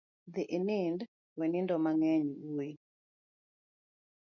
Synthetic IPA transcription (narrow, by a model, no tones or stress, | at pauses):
d̪iʔinɪnd | wɛnɪndɔmaŋɛɲwui